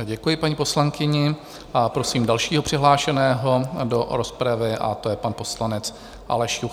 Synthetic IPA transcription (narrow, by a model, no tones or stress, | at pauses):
ɟɛkujɪpaɲipo̞slaŋkɪɲɪ | apɾo̞siːmdalʃiːɦopr̝̥ɪɦlaːʃɛnɛːɦo̞do̞ɾospɾavɪʔa̰t̪o̞jɛpanpo̞slanɛt͡s | ʔa̰lɛʃjux